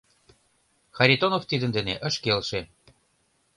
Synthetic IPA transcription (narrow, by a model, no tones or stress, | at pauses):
xɑɾʲit̪onoft̪id̪ə̆nd̪ĕneʔə̆ʃkelʃe